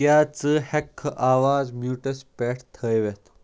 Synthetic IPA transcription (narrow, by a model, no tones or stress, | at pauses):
jat͡səhɛkʰːəʔaʋad͡zmjuʈəspɛʈʰt̪ʰəjʋɛt̪